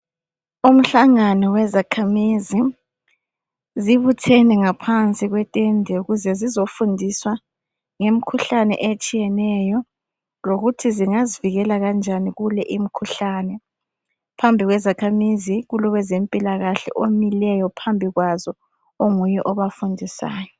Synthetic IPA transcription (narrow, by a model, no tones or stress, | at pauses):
um̩ɬaŋanɔwɛzakʰamizi | ziβutʰɛnɛŋapʰant͡sʼiɣwɛtʼɛndʱɛuɣuzɛzizofundʱiswa | ŋem̩kʰuɬanɛ̰ʔet͡ʃʼijɛnɛjɔ | loɣutʰiziŋaziviɣɛlaɣand͡ʒʱaniɣulɛʔim̩kʰuɬanɛ | pʰambʱiɣwɛzakʰamiziɣulɔβɛzempʼilaɣaɬɛ̰ʔomilɛjɔpʰambʱiɣwazɔ | oŋujɛʔɔβafundʱisa̰ːjɔ